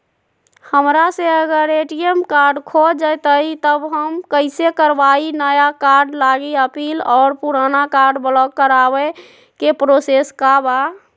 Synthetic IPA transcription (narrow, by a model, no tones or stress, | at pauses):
həmɾaseəɡəɾeʈijemkaɾɖkʰod͡ʒət̪əit̪əbɦəmkəɪsekəɾbainəjakaɾɖlaɡiəpiːlɔːɾpuɾanakaɾɖbəlɔk̚kəɾabɛ | kepɾoseskaba